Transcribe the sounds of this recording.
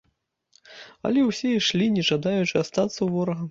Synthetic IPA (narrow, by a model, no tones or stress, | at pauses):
ɐ̰lʲɛwsʲɛiʂlʲinʲɛʐad̪ajut͡ʂɨast̪at̪sːɐwvɔɾɐɣɐm